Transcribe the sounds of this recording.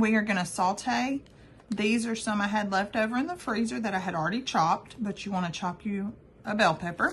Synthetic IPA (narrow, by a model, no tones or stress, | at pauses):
wiə˞ɡʌñɨsɔlˠtʰeɪ | ðizə˞sʌ̃maɪɨdˡlɛftoʊvə˞ɨ̃nðəfɹizə˞ðɨɾaɪɨɾl̩ˠɹɛɾit͡ʃʰɑp̚t̚b̥ʌt͡ʃɨwɑ̃ñɨt͡ʃʰɑpʰjɨ | əbɛlˠpʰɛpə˞